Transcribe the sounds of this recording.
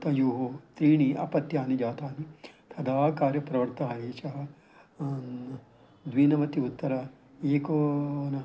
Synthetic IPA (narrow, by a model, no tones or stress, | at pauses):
t̪ɐjuːɦoːst̪ɾiːɳiʔɐ̰pɐt̪jaːnid͡ʒaːt̪aːnit̪ʰɐd̪ʱaːkaːɾjɐpɾɐʋɐɾt̪ɐɦɐeːʃɐɦɐ̆ | d̪ʋiːnɐʋɐt̪iut̪ːɐɾɐ | eːkonɐ